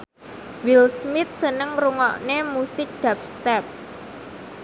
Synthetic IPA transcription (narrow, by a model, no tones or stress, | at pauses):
wilsmɪt̪̚sənəŋruŋɔʔnemusɪk̚d̪̥ap̚st̪ɛp̚